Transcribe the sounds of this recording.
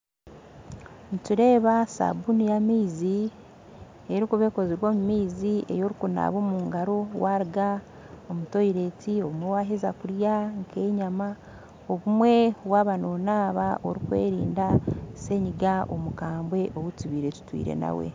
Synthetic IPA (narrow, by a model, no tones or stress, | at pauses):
nituɾe̞ːβasa̰bunijamiːzi | eɾikuβe̞ːko̞ziɾwoːmumiːzie̞̰jo̞ɾikuna̰βoːmuːŋɡaɾo̞wʔaɾiɡa | omuto̞iɾe̞tio̞βumwewaːɦezakuɾjaŋkʰe̞ːɲama | oβumwe̞waːβano̞naːβaoɾikwḛːɾḭːndase̞ɲiɡaʔo̰mukaːmbwe̞ʔowutiβiːɾe̞tu̥twḭːɾḛna̰wḛ